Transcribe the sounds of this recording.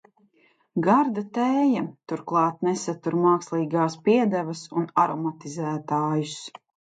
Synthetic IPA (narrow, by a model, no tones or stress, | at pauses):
ɡaɾd̪at̪ɛːjat̪uɾklˠɑːt̪nɛsat̪uɾmaːkslˠiːɡaːspiɛd̪ævɐsunaɾɔmat̪izæːt̪aːjus